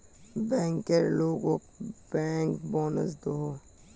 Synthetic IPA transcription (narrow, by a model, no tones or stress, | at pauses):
bɛ̃ːŋkeɾloːɡokb̥ɛːŋkbɔːnə̰s̬d̪oɦo